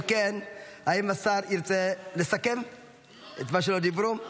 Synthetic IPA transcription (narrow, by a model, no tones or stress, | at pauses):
kenaimasaɾiɾt͡selesake̞m | et̪maʃ̬elo̞d̪ibɾu